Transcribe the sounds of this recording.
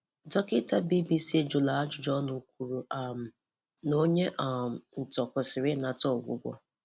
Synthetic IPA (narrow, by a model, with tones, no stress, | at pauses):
dɔ˦kɪ˦ta˦bi˦bi˦se˦d͡ʒʊ˨la˨a˦d͡ʒʊ˨d͡ʒɔ˦nu˨k̚ʷu˨ɾu˨a˨m̩˨ | no˦ɲe˦ʔa˨n̩˨tɔ˨kʷʊ˨sɪ˨ɾɪ˦na˨tɔ˦˨ɡʷʊ̰˦ɡʷɔ̰˦